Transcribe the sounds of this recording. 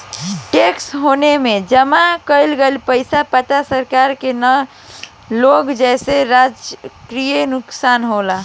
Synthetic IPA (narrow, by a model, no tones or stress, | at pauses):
ʈeksɦoːnemẽd͡ʒəmakəɪlɡelpəɪsapət̪asəɾkaɾkenə | loːɡd͡ʒɛːseɾad͡ʒkɾijenʊksaːnɦola